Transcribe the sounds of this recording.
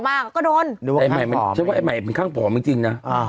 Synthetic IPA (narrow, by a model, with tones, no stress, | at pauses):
maː˧˩kɔː˥˩doː˧nː˨˦wa˧a˧jma˧˨˩jma˧nʰ˨a˦˥waː˦˥˩ʔma˨˩jpe˧nkʰaː˥˩ŋpʰɔː˨˦mɯ˧˦t͡ɕi˧ŋna˦˥ʔ